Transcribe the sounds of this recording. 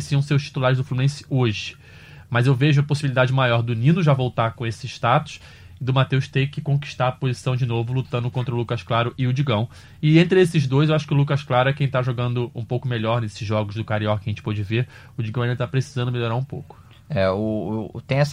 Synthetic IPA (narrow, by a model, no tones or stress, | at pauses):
siɐ̃w̃sewʃt͡ʃi̥t̪ulaɾɪzd̪ʊflumẽsɪ̥oʒɪ | mɐzewveʒʊɐposibilid̪ad͡ʒɪmajɔɾd̪ʊnĩnʊʒavowt̪akõesɪːʃt̪at̪ʊ̥s | d̪ʊmat̪ewʃt̪ẽkɪkõki̥ʃt̪aɾɐpozisɐ̃w̃d͡ʒɪnovʊlut̪ɐ̃nd̪ʊkõnt̪ɾɐʊlukɐʃklaɾʊʔɪʊd͡ʒiɡɐ̃w̃ | ɪẽnt̪ɾɪesɪʒd̪ojzewaʃʊ̥kɪʊlukɐʃklaɾʊɛkẽj̃t̪aʒoɡɐ̃nd̪ʊũpowkʊmeʎɔɾnesɪzʒɔɡʊzd̪ʊkaɾiɔkɪɐʒẽt͡ʃɪ̥pɔd͡ʒɪveɾ | ʊd͡ʒiɡɐ̃ɐĩd̪t̪apɾesi̥zɐ̃d̪ʊmelʎoɾaɾũpo̰wkʊ̥ | ɛʊt̪ẽj̃ɛs